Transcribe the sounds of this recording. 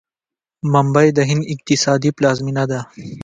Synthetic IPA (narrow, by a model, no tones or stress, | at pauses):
mɐmbajd̪əɦɪnd̪ɪq̚t̪ɪsɑːd̪iplɑːzminad̪a